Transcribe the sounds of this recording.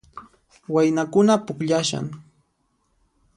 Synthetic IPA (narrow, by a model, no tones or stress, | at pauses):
wajnakʊnapʊkʎaʃa̰ŋ